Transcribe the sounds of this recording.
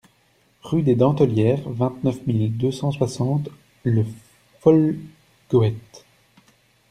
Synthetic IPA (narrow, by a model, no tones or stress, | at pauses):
ʁyd̪ed̪ɑ̃t̪əljɛʁvɛ̃t̪nœfmild̪øsɑ̃swasɑ̃t̪ | lə | fɔl | ɡ̥oɛt̪